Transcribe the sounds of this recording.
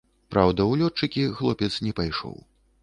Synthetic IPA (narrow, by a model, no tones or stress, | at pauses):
pɾawd̪ɐwlʲɔt͡ʂɨkʲixlˠɔpʲɛt̪snʲɛpajʂɔ̰w